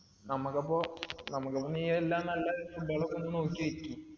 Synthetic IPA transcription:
nɐmukːɐpːoːnɐmukːɐpːoniːjɐelːaːnɐlːɐfuɭɖɐɭɐkːonːuno̞ːkːiʋetʲːu

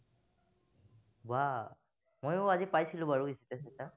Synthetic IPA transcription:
ba | mojʊazipajsilʊ̃baɹuisitɛsɛta

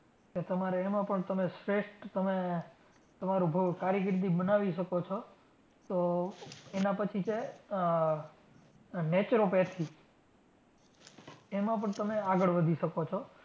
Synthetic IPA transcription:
ket̪əmaɾeːmãpəɳt̪əmesɾeʃʈt̪əme | t̪əmaɾũkaɾjəkɾt̪̬ibənaʋiʃəkot͡ʃʰo | t̪o | enapət͡ʃʰit͡ʃe | net͡ʃɾopɛt̪ʰi | emãp̬əɳt̪əmeaɡəɭʋəd̪ʱiʃəkot͡ʃʰo

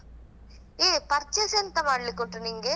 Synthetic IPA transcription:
eːpɐɾt͡ʃesent̪ɐmaːɽɪlɯkːɔʈːɯniːŋɡɐ

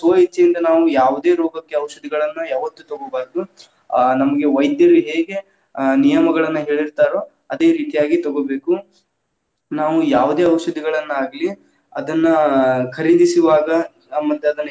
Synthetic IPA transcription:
soɦit͡ʃːɐjind̪ɐnaːʋujaːʋud̪e̞ːɾɔːɡɐkːe̞ɐʋɐʃɐd̪iɡɐɭɐnːujaːʋɐt̪ːut̪ɔɡobaːɾd̪u | nɐmɐɡe̞ʋɐjd̪jɐɾuɦeːɡe̞ | nijɐmɐɡɐɭɐnːɐɦe̞ːɭiɾt̪aːɾo | ɐd̪e̞ːɾiːʈ̪ijaːɡit̪ɔɡobe̞ːku | naːʋujaːʋud̪e̞ːɐwɐʃɐd̪iɡɐɭɐnːuaːɡli | ɐd̪ɐnːɐkʰɐɾid̪isiʋaːɡɐ | mːɐt̪ːeɐd̪ɐnː

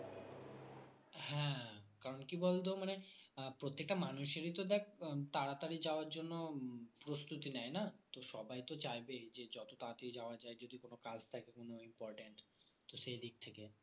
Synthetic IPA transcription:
hɛ̃kaɾonkibolt̪̬omanepɾot̪ːek̚ʈamanuʃeɾit̪od̪ɛkʰt̪aɾat̪aɾid͡ʑaoaɾd͡ʑonːopɾost̪ut̪inɛjnat̪oʃɔbajt̪ot͡ɕajbed͡ʑed͡ʑɔt̪ot̪at̪eid͡ʑaoad͡ʑaed͡ʑod̪ikonokad͡ʑt̪ʰakekonoimpɔɾʈeɳʈt̪oʃejd̪ik̚t̪ʰeke

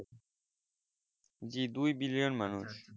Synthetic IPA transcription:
d͡ʑid̪ujbilijonmanuʃ

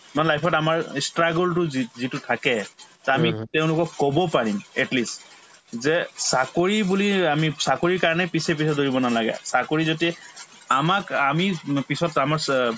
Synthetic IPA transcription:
manɛlajpʰɔtamaɹstɹaɡɔltʊzitutʰakɛzɛamitɛʊ̃lʊkɔkːɔbɔpaɹimɛtlist | zɛsakoɹibuliamisakoɹiɹkaɹɔnɛpisɛp̬isɛdoɹibɔnalaɡɛ̰sakoɹizoti | amakamipisɔtamaɹ

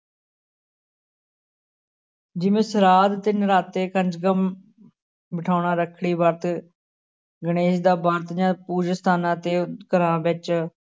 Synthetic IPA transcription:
d͡ʒɪʋẽːsəɾaːd̪t̪ɪnɾaːt̪ːeːkənd͡ʒɡəm | bəʈʰaːʊɳãːɾəkʰɽiːbaːɾt̪ | ɡəɽ̃eːd͡ʒd̪aːbaːɾt̪d͡ʒãːpuːd͡ʒəst̪ʰaːnãːt̪eːkəɾãːbɪt͡ʃ

